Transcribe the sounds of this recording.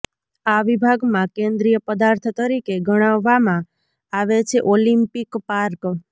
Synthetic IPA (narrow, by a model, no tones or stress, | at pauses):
aʋibʱaɡmãkẽnd̪ɾijəpəd̪aɾt̪ʰt̪əɾikeɡʱəɽ̃aʋːamã | aʋet͡ʃʰeʔolimpikpaɾk